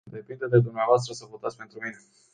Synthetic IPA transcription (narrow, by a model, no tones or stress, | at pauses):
d̪e̞pind̪əd̪e̞d̪umneavoas̬t̪ɾəsəvo̞t̪at̪sʲpe̞nt̪ɾumine̞